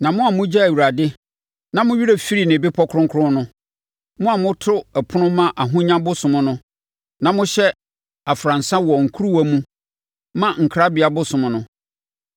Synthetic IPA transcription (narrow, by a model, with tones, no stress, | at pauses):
nã˨mʊ̃˦a˨mʊ̃˦d͡ʑɛ˦æ˨ɥu˨ɾa˨dɪ˦ | nã˨mʊ̃˦ɥi˦ɾe˨fi˦ɾi˦˨nɪ̃˨bɪ˦pʰɔ˦kʰɾʊ̃˦ŋ˦kʰʊ˦ɾʊ̃˦nʊ̃˦ | mʊ̃˦a˨mʊ̃˦tʰʊ˦ɛ˨pʰʊ˦nʊ̃˦mã˦ʔa˨ɦʊ̃˦ɲã˦bʊ˦sʊ̃˨mʊ̃˦nʊ̃˦ | nã˨mʊ̃˦ɕɛ˦ | a˨fɾã˨n̩˨sã˦wɔ˨ŋ̩˨kʰu˦ɾu˦æ˦mũ˦ | mã˦ŋ̩˨kʰɾa˦bɪ˨a˨bʊ˦sʊ̃˨mʊ̃˨nʊ̃˦